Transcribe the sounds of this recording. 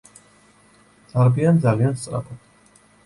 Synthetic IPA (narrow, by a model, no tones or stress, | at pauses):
d̪̥aɾbiand̪zalianst̪sʼɾa̰pʰɔd̪̥